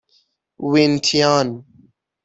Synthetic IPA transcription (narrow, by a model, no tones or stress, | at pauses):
wintʰijaːn